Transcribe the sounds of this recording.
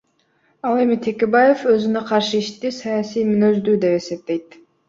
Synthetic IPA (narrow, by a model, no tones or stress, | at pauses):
ɑlˠe̞mit̪ʰekʲebaje̞fø̞zynøqʰɑɾʃɯiʃt̪ːisɑjasijmynøzd̪yːd̪e̞pe̞se̞p̚t̪e̞jt̪̚